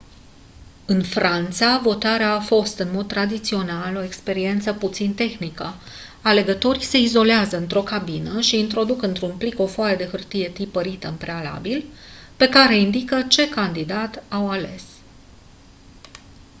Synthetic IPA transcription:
ɨnfɾant̪savo̞t̪aɾeaːfo̞st̪ɨnmo̞d̪̚t̪ɾad̪it̪sio̞nalo̞ekspe̞ɾie̞nt̪səput̪sint̪e̞xnikə | ale̞ɡət̪o̞ɾise̞izo̞leazəɨnt̪ɾo̞kabinəʃiːnt̪ɾo̞d̪ukɨnt̪ɾunpliko̞foaled̪e̞xɨrt̪ije̞t̪ipəɾit̪əɨmpɾe̞ala̰bilpe̞kaɾe̞ind̪ikət͡ʃe̞kand̪id̪at̪awale̞s

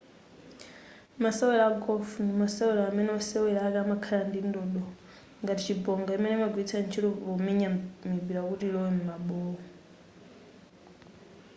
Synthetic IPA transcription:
masɛwɛlaɡɔfunimasɛwɛɾaːmɛnɛɔsɛwɛlakamakʰalandindɔɗɔ | ŋɡatit͡ʃibɔŋɡaimɛnɛmaɡwit͡sʰant͡ʃʰitɔβɔmiɲamibiɾakutilɔwɛmumaɓɔɔ

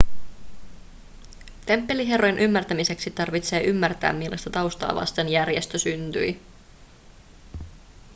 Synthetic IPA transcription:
t̪e̞mpːe̞liɦe̞rojnʔymːært̪æmise̞ksit̪ɑrʋit̪se̞ːʔymːært̪æ̰ːmmilːʔɑ̰st̪ɑt̪ɑwst̪ɑ̰ːʋɑ̰st̪enjærje̞st̪øsynt̪y̰j

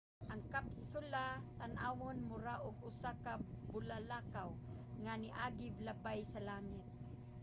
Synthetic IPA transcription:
ʔaŋkapsʊlat̪anʔawonmʊɾaʔʊɡʊsakabʊlalakawŋaniʔaɡɪblabajsalaŋɪt̪̚

